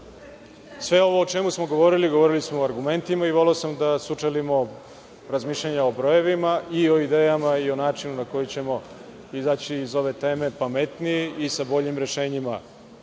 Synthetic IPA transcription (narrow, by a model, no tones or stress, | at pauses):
sʋe̞o̞ʋo̞ːt͡ʃe̞musmo̞ɡo̞ʋo̞ɾiliɡo̞ʋo̞ɾilismoːaɾɡume̞nt̪imaiʋo̞leosamd̪asut͡ʂelimo̞ | ɾazmiːʃlʎaɲao̞bɾo̞je̞ʋimaʔio̞id̪eːjamaio̞naːt͡ʂinunako̞jit͡ɕe̞mo̞ | izaːt͡ɕiːzo̞ʋe̞t̪e̞ːme̞pamet̪nijeisabo̞ʎimɾe̞ʃe̞ːɲima